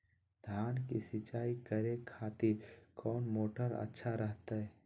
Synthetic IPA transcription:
d̪̥ʱaːnkisɪt͡ʃaːikəɾekʰːaːt̪ikʰɔːnmoːʈəɾə̰tːʃʰaɾəɦt̪aɦɛː

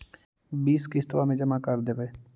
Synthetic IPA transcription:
biːskist̪ʋamẽd͡ʒəmakəɾd̪eːʋeː

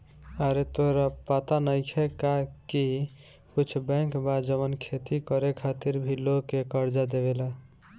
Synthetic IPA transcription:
aɾet̪oɦɾapat̪anəjkʰekaki | kut͡ʃʰbɛ̃ŋkbad͡ʒəβənkʰet̪ikʌɾekʰat̪iɾbʱilokekʌɾd͡ʒad̪eβela

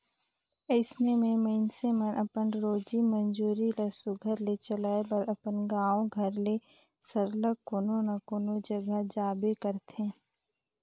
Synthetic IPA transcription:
əɪsnemẽməɪnsemənʔəpənɾoːd͡ʒimənd͡ʒuːɾiləsʊɡʱəɾlet͡ʃəlaːebəɾɐpənɡaːõɡʱəɾle | səɾləkoːnonakoːnod͡ʒəɡad͡ʒaːbekəɾt̪ʰẽː

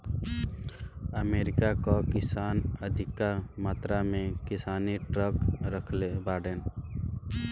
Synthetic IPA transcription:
əmeːɾɪkakokɪsaːnəd̪ʱɪkːamaːt̪ɾamẽkɪsaːniʈɾəkɾəkʰlebaːɽeːn

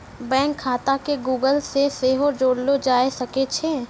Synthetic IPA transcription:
bɛ̃ːŋkʰːaːt̪akeɡuːɡəlseseɦod͡ʒoːɽlod͡ʒaːesɐket͡ʃʰeː

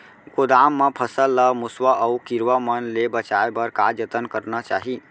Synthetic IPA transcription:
kod̪amːepʰəsəlːəmuswaʔəukiɾʋəmənlebət͡ʃaebəɾkad͡ʒət̪ənkəɾnat͡ʃaɦi

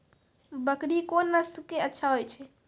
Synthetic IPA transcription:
bəkɾikonːəstkeətːʃʰaɦojt͡ʃʰɛ

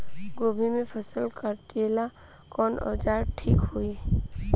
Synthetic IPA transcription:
ɡobʱimẽpʰəsəlkəɾt̪iela | kɔnɔ̰d͡ʒaɾʈʰikɦui

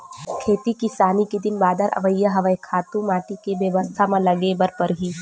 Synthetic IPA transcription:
kʰeːt̪ikisaːnikid̪ɪnbaːd̪ʱəɾʔɐ̰ʋəjːaɦɐʋəekʰaːt̪ũmaːʈikeʋjəʋəst̪ʰamãlɐɡebɐɾpɐɾɦiː

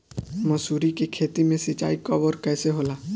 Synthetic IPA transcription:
mɔsuɾikekʰet̪imẽsit͡ʃa̰ːikɔbɔɾkɛːseɦola

